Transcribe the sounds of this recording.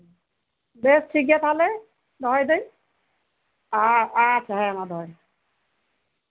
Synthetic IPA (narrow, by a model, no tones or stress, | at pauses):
besʈʰik̬jat̪ʰalɛ | d̪ɔɔjd̪ej | aasʰaɦajamad̪ɔɔj